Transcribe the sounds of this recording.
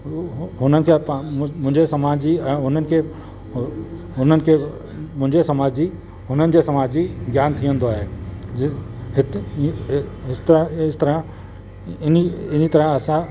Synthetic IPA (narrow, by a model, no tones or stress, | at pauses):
ɦʊnənɪ̆kʰepmʊ̃ɦɪ̃ɲd͡ʑesɐmaːd͡ʑiɛ̃ːɦʊnənɪ̆kʰe | ɦʊnənɪ̆kʰe | mʊ̃ɦɪ̃ɲd͡ʑesɐmaːd͡ʑd͡ʑi | ɦʊnənɪ̆d͡ʑesɐmaːd͡ʑiɡjaːnt̪ʰiə̃nd̪oaːɦeː | ɪt̪ | ɦɪst̪ɾɪst̪ɐɾã | ɪniɪnit̪ɐɾə̃ɐsã